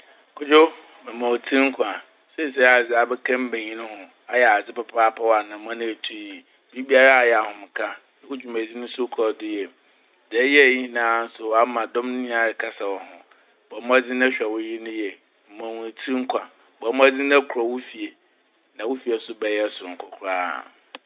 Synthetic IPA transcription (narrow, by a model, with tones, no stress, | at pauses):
kʰʊ˦d͡ʑʊ˦ | mɛ˨mã˨wo˨tʰĩ˦ŋ̩˦kʷʰã˨ | sɛ˦˨sɛ˦a˨d͡zɪ˨˦a˨bɛ˦kʰã˦m˦bẽ˨ɲĩ˦nʊ̃˦hʊ̃˨ | a˦jɛ˨a˨d͡zɪ˦pa˨pʰaː˦pʰa˦wa˨nã˨˦mã˦nʊ̃˦e˨tʰu˦˨i˨ | bi˦bi˦a˦ɾa˦a˨jɛ˨a˨hʊ̃˨m˨kʰã˦ | wʊ˦d͡ʑᶣu˨mã˨d͡zi˦nʊ̃˦sʊ˦kʰɔ˨dʊ˦jɛ˨ | dɛ˨˦jɛ˦˨ji˦hnãː˦n̩˦sʊ˨wa˦mã˨dɔ̃˦mnɪ̃˦ĩ˦a˨ɾkʰa˦sa˨wɔ˨hʊ̃˨ | bɔ˨˦mʊ̃˦a˦d͡zɪ̃˦nã˦ɕᶣɛ˨wɔ˦ji˦nʊ̃˦jɛ˨ | m̩˨mã˨wũ˨tʰĩ˦ŋ̩˦kʰʷã˨ | bɔ˨˦mʊ̃˦a˦d͡zɪ˦nã˦kʰɾɔ˨wʊ˦fi˨e˨ | nã˨wʊ˦fi˨ɛ˨sʊ˦bɛ˨jɛ˦sʊ˨ŋ̩˨kʰɔ˨kʰɾa̰ː˦˨